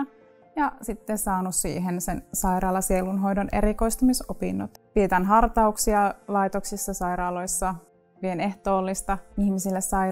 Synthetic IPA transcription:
jɑsit̪ːessɑːnussḭːɦensensɑiɾɑːlɑsielunɦo̞jdonḛɾiko̞ist̪umisopḭnːot̪piet̪ænɦɑrt̪ɑuksiɑlɑit̪oksisːɑsɑiɾɑːloisːɑ | ʋieneht̪o̞ːlːist̪ɑihmisilːesɑi

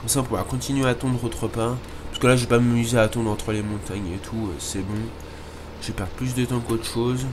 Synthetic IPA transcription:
ɔ̃saɔ̃puvaʁkɔ̃t̪inɥeat̪ɔ̃d̪ʁot̪χəpa | pḁskəlaʒepamayzeat̪ɔ̃d̪ʁɑ̃t̪χəlemɔ̃t̪aɲet̪ʰuø̰sɛbɔ̃ | ʒepɛʁd̪̚plys̬d̪ət̪ɑ̃kot̪χə̥ʃoz

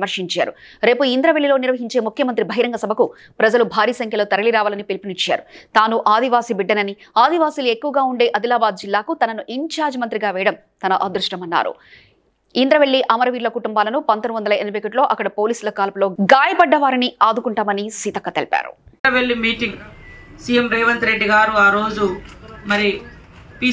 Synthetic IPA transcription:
mɐɾʂiɲt͡ʃa̰ːɾu | ɾe̞ːpuind̪ɾɐʋeɭːilo̞ːniɾʋɐɦiɲt͡ʃe̞ːmukʰjɐmɐnt̪ɾibʱɐɦiɾɐŋɡɐsɐbʱɐku | pɾɐd͡ʒɐlubʱaːɾiːsɐŋkʰjɐloːt̪ɐɾɐliɾaːʋaːlɐnipelipinit͡ʃja̰ːɾut̪aːnuʔaːd̪ʱiʋaːsibiɖːɐnɐniaːd̪iʋaːsiluekːuʋɐɡaːuɳɖe̞ːʔɐd̪ilaːbaːd̪̚d͡ʒilːaːkut̪ɐnɐnuʔiɲt͡ʃaːɾd͡ʒmɐnt̪ɾiɡaːʋɛːɽɐm | t̪ɐnɐʔɐd̪ɾuʂʈɐmɐnːa̰ːɾṵ | ind̪ɾɐʋeɭːiʔɐmɐɾɐʋiːɾlɐkuʈumbaːlɐnupɐnt̪ɐnʋɐnd̪ɐlɐenibekɐʈlo̞ːʔɐkːɐɽɐpo̞ːliːsulɐkaːlɐpulo̞ːɡaːjɐpɐɖːɐʋaːɾiniaːd̪ukuɳʈaːmɐnisit̪ɐkːɐt̪elpa̰ːɾṵ | ɐʋeɭːimiːʈiŋɡsijemɾɐjʋɐnt̪ɾe̞ɖːiɡaːɾuaːɾo̞ːd͡ʒumɐɾipi

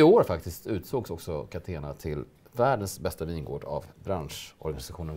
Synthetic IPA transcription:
ɪoːɾfakt̪ɪst̪ʉ̟ːt̪soːɡsɔksɔkʰat̪ʰeːna̰t̪ʰɪl | væːɖənsbɛst̪aviːnɡo̰ːɖa̰vbɾanʂɔ̰ɾɡanɪsaɧuːnən

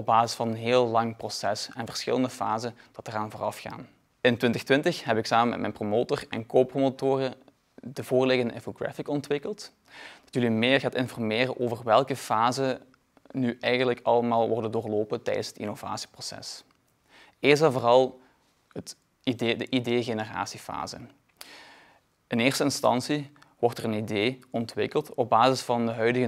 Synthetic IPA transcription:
ɔbaːzɪsfɑnənɦɪːlˠlɑŋprosɛsɛnvərsxɪ̰ləndəfa̰ːzənd̥ɑtəraːnvoːrɑfxa̰ːn | ɪntwʋɪntəxtwɪntəxɦɛpɪksaːməmɛ̰tmɛ̰jnpromoːtorɛ̰nkoːpromotoːrə | dəvoːrlɪɣəndəɪnfoɡɹa̰fɪkɔntʋɪkəlˠt | d̥ɑtjəlimɪːrɣaːtɪnfɔrmɪːrəʔoːvərʋɛlˠkəfaːzə | nyʔɛjɣənləkɑlˠəmaːlˠʋɔrdəndoːrloːpətɛ̰jdənshətḭnova̰ːsi̥prosɛ̰s | ɪːzɛvoːrɑlˠ | ətː | dəʔideːɣenəra̰ːsifa̰ːzə̰ | ɪnɪːrstəɪnstɑ̰nsiʋɔrtɛrənideːɔntʋɪkəlˠtɔb̚baːzɪsfɑndəɦœɥdəɣə

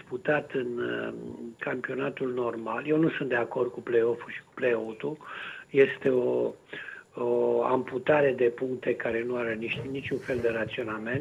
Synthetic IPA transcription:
sput̪at̪ɨn | kampio̞nat̪ulno̞rmalje̞wnusunt̪d̪e̞ako̞rd̪̚kupleo̞fuʃi̥ku̥ple̞ot̪uje̞st̪e̞o | oa̰mput̪aɾe̞d̪e̞puŋkt̪e̞kaɾe̞nuaɾeniʃt̪ʲnit͡ʃʲunfe̞ld̪e̞ɾat̪sio̞name̞nt̪

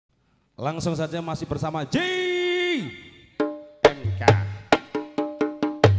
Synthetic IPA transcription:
laŋsʊŋs̬ad͡ʒamasɪhbərsamad͡ʒe | ʔɛmka̰

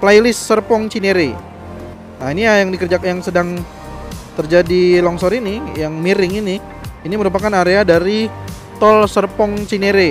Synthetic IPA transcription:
plajlɪsːərpɔŋt͡ʃineɾe | nainijajaŋdikərd͡ʒakjaŋsədaŋ | t̪ərd͡ʒadilɔŋsɔɾinɪjaŋmiɾɪŋinɪ | iniməɾupakanaɾeadaɾi | t̪ɔlsərpɔŋt͡ʃineɾe

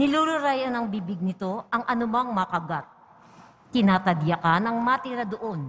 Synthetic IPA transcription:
nɪluːlʊɾajɐnɐŋbiːbɪɡ̚nɪt̪o̞ʔɐŋʔɐnʊmaŋmɐkɐɡat̪̚ | k̪ɪnaːt̪ɐd̪jakanɐŋmat̪ɪɾad̪oʔo̞n

